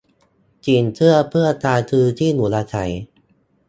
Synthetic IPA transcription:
t͡ɕiː˧nt̪ʰɯ˥˩əpʰɯ˥˩ɐt̪aː˧t̪ʰɯː˧t̪ʰiː˥˩nuː˩˦laː˧t͡ɕʰa̰˩˦j

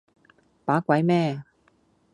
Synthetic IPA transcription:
paː˨˥kʷɐ˨˥jmɛː˥˨

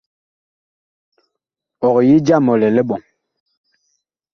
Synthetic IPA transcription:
ɔ˨ɣji˦d͡ʒa˦˨mɔ˨lɛ˨lɛ˦ɓɔ˨ŋ

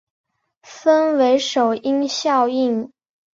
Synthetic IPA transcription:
fə˥nwe˧˥ɪʂo˨˩ʊi˥ŋɕjɑ˥˧ʊi˥˩ŋ

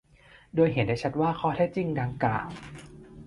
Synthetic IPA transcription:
doː˧jɦe˨˩˦ndaː˥˩jt͡ɕʰa˦˥t̪̚waː˥˩kʰɔː˥˩t̪ʰɛː˥˩t͡ɕi˧ŋdaː˧ŋkla̰ː˨˩ŋ

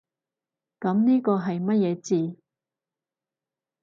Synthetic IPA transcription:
kɐ˨˥mniː˥kɔː˧ɦɐ˨jmɐ˥t̚jɛː˨˧t͡siː˨

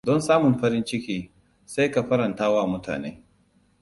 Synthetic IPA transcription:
dɔ˦nsaː˦mʊ˨mɸɐ˦ɾɪ˦nt͡ʃɪ˦kʲiː˦ | sa˦jka˨ɸɐ˦ɾɐ˨ntaː˦waː˦˨mʊ˦tʰa̰ː˨nḛː˦

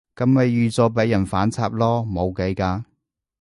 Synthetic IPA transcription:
kɐ˨˧mme˨˧jːyː˨˧t͡sɔː˧p̬e˨˥jːɐ˨˩nfaː˨˥nt͡sʰaː˧p̚lɔː˥mo˨˧wke˨˥jkaː˧

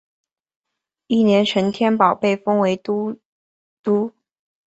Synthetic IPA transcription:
i˥˩njɛ˧˥nʂə˧˥nt̪ʰjɛ˥npɑ˨˩ʊpe˥˩ɪfɤ˥ŋwe˧˥ɪ˥ | t̪u˥

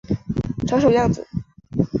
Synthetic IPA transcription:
ʈ͡ʂʰɑ˧˥ʂ̬o˧˩jɑ˥˩ŋd͡zɹ̩˨˩˦

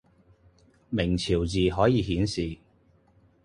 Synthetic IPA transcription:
mɪ˨˩ŋt͡sʰiː˨˩wt͡siː˨ɦɔː˨˥jiː˨˧ɦiː˨˥nsiː˨

